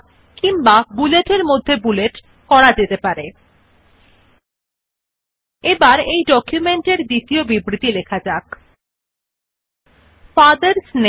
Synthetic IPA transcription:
kimbabuleʈeɾmod̪ʱːebuleʈ | kɔɽad͡ʑet̪epaɾe | ebaɾejɖɔkjumeɳʈeɾd̪it̪iobibɾit̪ilekʰad͡ʑak | fad̪eɾsne

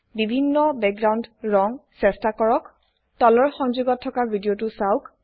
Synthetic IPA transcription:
bibʱinːɔbɛk̚ɡɹawndɹɔŋsɛstakɔɹɔk | tɔlɔɹxɔŋzuɡɔtʰːɔkaɹbʱidiotusawk

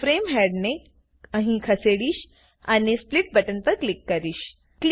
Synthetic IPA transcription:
fɾemɦɛɽne | ə̃ɦĩkʰəseɽiːɕ | anespliʈ̚bəʈənt̪əɾklikːəɾiːɕ | kl

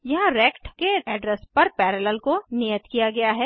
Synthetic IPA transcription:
jɐɦãɾɛːkʈkeɛːɖɾɛspɐɾpɛːɾələlkonijət̪kijaɡɐjaɦɛː

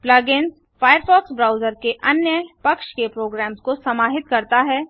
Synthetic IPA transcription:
plaɡens | faːjəɾfɔːksbɾaːʊzəɾkeʔɐnjəpɐkʃkepɾoːɡɾɛːmskosɐmaːɦɪt̪kɐɾt̪aɦɛː

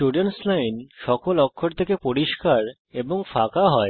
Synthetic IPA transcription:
ʈuɖionslajnʃɔkolɔkʰːoɾt̪ʰekepoɾiʃkaɾ | eboŋfakaɦɔe

